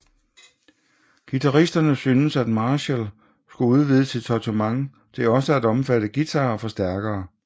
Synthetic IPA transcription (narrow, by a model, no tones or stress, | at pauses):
ɡ̥it͡sʰɑʁisd̥ɐnəsyːnəsæd̥mɑ̈ːɕel | sɡ̥uuð̞ˠʋið̞ˠəsʰit͡sʰɒt͡sʰumɑ̈ŋ | t͡sʰe̝ɒ̽səæd̥ɒ̽mfæɾ̥əɡ̥it͡sʰɑ̈ːfɒ̽sd̥æɐɡ̥ɐː